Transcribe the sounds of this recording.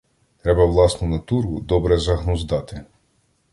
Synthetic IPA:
t̪ɾɛbɐwlˠɑsnɔnɐt̪uɾʊd̪ɔbɾɛzɐɦnɔzd̪ɑt̪ɪ

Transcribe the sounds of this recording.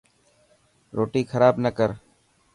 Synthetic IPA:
ɾoːʈiːkʰəɾaːbnəkəɾ

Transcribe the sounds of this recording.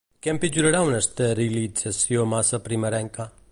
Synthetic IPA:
kɛ̃mpid͡ʒuɾɐɽawnɐst̪eɾilid͡ʒɐsjomasɐpɾimɐɾɛŋka

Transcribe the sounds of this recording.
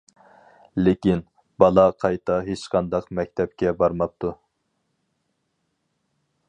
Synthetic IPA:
lɪkʲin | bɑlˠɑqʰɑjt̪ʰɑɦet͡ʃqʰɑnd̪ɑqmɛkʲt̪ʰɛp̚kʲʰɛbɑɾmɑp̚t̪ʰu

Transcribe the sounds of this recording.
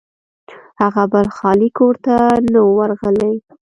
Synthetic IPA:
haɣabalxɑlikoɾt̪anawaɾɣəlaj

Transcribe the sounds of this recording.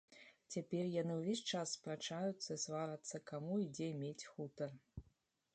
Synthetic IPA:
t͡sʲapʲɛrjanɨwvʲesʲt͡ʂasːpɾat͡ʂajut̪sːɐisvaɾɐt̪sːɐkamuid͡zʲɛmʲet͡sʲxut̪ɐr

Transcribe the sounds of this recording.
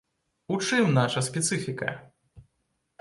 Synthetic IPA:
ut͡ʂɨmnaʂɐsʲpʲɛt̪sɨfʲikɐ̰

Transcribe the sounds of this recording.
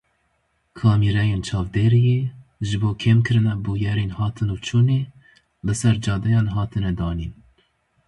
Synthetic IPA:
kʰɑːmiːɾɛjeːnt͡ʃʰɑːvd̪eːɾijeʒɨboːkʰeːmkʰɨɾɨnɛbuːjɛɾeːnhɑːt̪ʰɨnuːt͡ʃʰuːneː | bɨsɛɾd͡ʒɑːd̪ɛjɑːnɦɑːt̪ʰɨnɛd̪ɑːnḭːn

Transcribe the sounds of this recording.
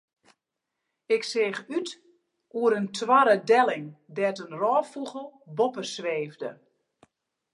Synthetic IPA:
ɪksɪːxyt | uəɾəntʰʋaɾədɛlɪŋdɛtənrɔːfuɣəlˠbɔpəsʋeːvdə̰

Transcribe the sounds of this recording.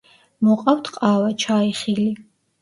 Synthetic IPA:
mɔqʼawt̪ʰqʼaːvat͡ʃʰaiχili

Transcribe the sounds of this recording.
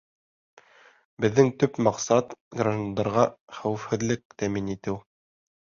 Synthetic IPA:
bɘ̆ðːɘŋt̪ɵpmɑqsɑt̪ɡraʒnd̪ɑɾʁɑχæwɘ̆fhɘ̆ðlɘk̚t̪æminit̪ɘw

